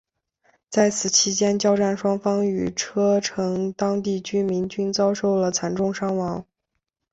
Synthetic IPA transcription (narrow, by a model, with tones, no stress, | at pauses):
t͡sa˥˩ɪt͡sʰɹ̩˨˩t͡ɕʰi˥t͡ɕjɛ˥nt͡ɕjɑ˥ʊʈ͡ʂa˥˩nʂwɑ˥ŋfɑ˥ŋy˨˩ʈ͡ʂʰɤ˥ʈ͡ʂʰɤ˧˥ŋt̪ɑ˥ŋt̪̬i˥˩t͡ɕy˥mi˧˥ŋt͡ɕy˥nt͡sɑ˥ʊʂo˥˩ʊlə˩t͡sʰa˧˩nʈ͡ʂʊ˥˩ŋʂɑ˥ŋwɑ˧˥ŋ